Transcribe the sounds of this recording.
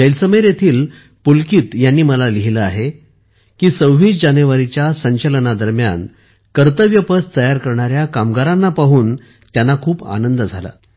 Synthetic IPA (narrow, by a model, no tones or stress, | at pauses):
d͡ʑəjlsəməjɾjet̪ʰiːl | pulkiːt̪janːiːməlaliɦiləaɦe | kiːsəwʋiːd͡ʑaneʋaɾit͡ɕjasəɲt͡ɕələnad̪əɾmja̰n | kəɾt̪əʋjəpət͡st̪əjaɾkəɾɳaɾjakamɡaɾanːapaɦuːn | t̪janːakʰuːpa̰nənd̪əd͡zʱala̰